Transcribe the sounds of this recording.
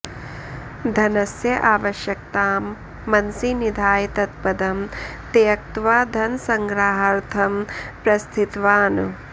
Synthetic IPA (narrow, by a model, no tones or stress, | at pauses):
d̪ʱɐnɐsjɐʔaːʋɐʃjɐk̚t̪aːmː | ɐnsinid̪ʱaːjit̪ɐt̪̚pɐd̪ɐmt̪eːɐk̚t̪ʋaːd̪ʱɐnsɐŋɡɾaːɦɐɾt̪ʰɐmpɾɐst̪ʰit̪ʋaːnṵ